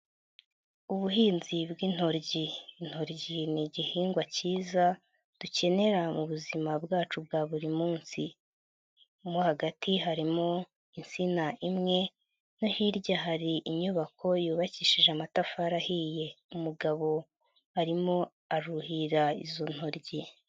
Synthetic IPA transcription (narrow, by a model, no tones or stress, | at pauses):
uβuɦiːnzibɡin̥ho̞ɾɟin̥ho̞ɾɟiniɟihiːŋɡwaciːza | d̥uce̞ne̞ɾamuβuzimabɡaːt͡ʃubɡaːβuɾimuːnsi | mohaɡatiɦaɾimo | insinaʔimŋe̞ | no̞hiɾɟaɦaɾiʔiɲuβakʰo̞juːβaciːʃiʒeamatafaɾahije̞ | umuɡaβo̞ | aɾimo̞ | aɾuhiɾaizo̞n̥ho̞ɾɟi